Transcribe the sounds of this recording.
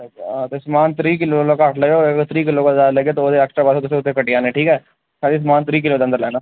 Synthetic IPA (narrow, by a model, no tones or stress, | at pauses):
at̪osmaːnt̪ɾiːk̬ɪlolokaːʈʰləɡeoɡt̪ɾiːkɪlokad͡ʒaːɾleɡet̪ood̪eɛːksʈɾabaːsot̪ʊseʊt̪ʰːekɐʈijaːneʈʰiːkɦɛː | saːis̬maːnt̪ɾiːk̬ɪlot̪ɐ̃nd̪əɾlɛːnaː